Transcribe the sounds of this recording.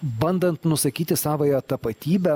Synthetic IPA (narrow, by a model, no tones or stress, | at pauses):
bɐnd̪ɐnt̪nʊsɐkʲiːt̪ʲɪsɑːʋojoːt̪ɐpɐt̪ʲiːbʲɛ